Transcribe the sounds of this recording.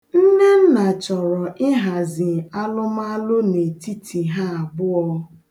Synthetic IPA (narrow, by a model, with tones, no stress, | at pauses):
n̩˦ne˦n̩˦na˨t͡ʃɔ˨ɾɔ˨ʔɪ˦ɦa˨zɪ˨a˦lʊ˦m˦a˦lʊ˦ne˨ti˦tʰi˨ɦa˦a˨ɡ͡bʊ˦ɔ˦